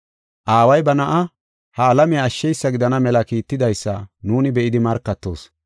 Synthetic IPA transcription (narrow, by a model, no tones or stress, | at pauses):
ʔaːwɐjbɐnɐʔɐ | hɐːlɐmɪjɐːʃːɛjsːɐɡɪd̪ɐnɐmɛlɐkiːt̪ːɪd̪ɐjsːɐnuːnɪbɛʔɪd̪ɪmɐɾkːɐt̪ːo̞̰ːs